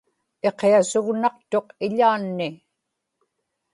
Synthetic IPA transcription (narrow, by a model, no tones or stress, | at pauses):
e̞qeasʊɣnɑq̚t̪o̞qɪʎaːnːɪ